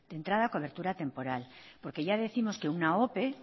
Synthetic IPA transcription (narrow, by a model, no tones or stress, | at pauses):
d̪̥e̞nt̪ɾaðako̞β̞e̞ɾt̪uɾat̪e̞mpo̞ɾalpo̞ɾke̞ʝaðeθimo̞ske̞unao̞pe̞